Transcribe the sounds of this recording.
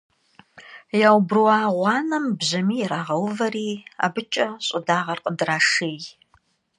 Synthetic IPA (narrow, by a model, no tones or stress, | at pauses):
jaːwbrwɑːʁʷɑːnɐmbʑɐmiːjɛɾaːʁɐwvɐriːa̰ːbɨt͡ʃʼɐɕʼʊdaːʁɐrqʼədraːʂeːj